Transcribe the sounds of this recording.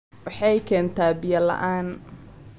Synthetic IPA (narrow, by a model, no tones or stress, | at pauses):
wɑħɑjkʰɛːnt̪ʰaːbɪjɐlɐ̰ʔaːn